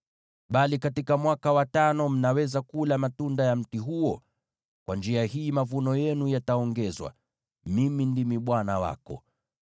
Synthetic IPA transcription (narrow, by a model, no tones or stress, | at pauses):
ɓalikatikamwakawatanɔm̩nawɛzakulamatundajam̩tiɦuɔ | kwʔand͡ʒiahiːmavunɔjɛnujataɔŋɡɛzwa̰ | mimindimiɓwanawa̰kɔ̰